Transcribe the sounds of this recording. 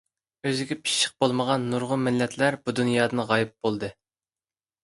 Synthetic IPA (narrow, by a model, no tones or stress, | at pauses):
øzɪɡʲɛpʰi̥ʃʃə̥q̚bolˠməʁɑnːuɾʁʊmɪlːɛt̪ʰlæɾbud̪unjɑːd̪ɨnʁɑjɪp̚bolˠd̪ɨ